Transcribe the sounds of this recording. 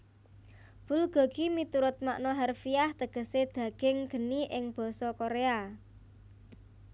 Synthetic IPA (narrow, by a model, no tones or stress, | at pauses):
b̥ʊ̤lɡ̥ɔ̤ɡ̥imit̪uɾʊt̪̚ma̰ʔnɔɦarfijaht̪əɡ̥ə̤sed̪̥ä̤ɡ̥ɪŋɡ̥ə̤niʔɪŋb̥ɔ̤sɔkoɾea